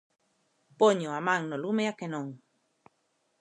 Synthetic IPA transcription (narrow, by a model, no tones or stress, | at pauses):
poɲoamãŋnolumeakenõŋ